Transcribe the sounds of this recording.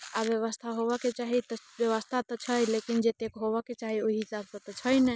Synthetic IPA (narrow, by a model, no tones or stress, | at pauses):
abjəβəst̪ʰaɦobɛket͡ʃaɦit̪ɔbjəβəst̪ʰat̪ɔt͡ʃʰəjlekind͡ʒet̪ekɦobɛkːet͡ʃaɦioiɦisabsə̃t̪ɔt͡ʃʰəjnɛ